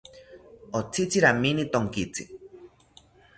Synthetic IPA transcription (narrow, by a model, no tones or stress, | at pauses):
ot͡sʰit͡sʰiɾaminit̪oŋkit͡sʰḭ